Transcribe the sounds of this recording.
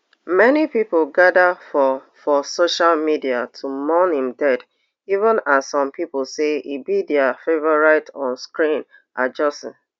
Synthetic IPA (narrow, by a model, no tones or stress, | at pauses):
mɛnipipolɡadafɔ | fɔsoʃalmidiatʰumɔnhĩmdɛd | ivə̃nazsɔ̃mpipol̩seibidɛafevɔɹaɪtɔ̃nskɹĩn | ʔad͡ʒɔsə̰̃n